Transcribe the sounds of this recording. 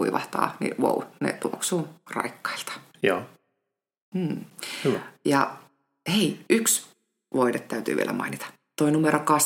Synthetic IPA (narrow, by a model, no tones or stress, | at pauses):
uiʋɑht̪ɑ̰ːnḭwo̰unḛt̪uoksuːrɑ̰ikːɑ̥ilt̪ɑ̥joː | m̩ːhyʋæjɑ | heiʔyks | ʋoidet̪tæyt̪yːʋḭelæ̰mɑ̰init̪ɑ̥ | t̪oinumeɾokɑs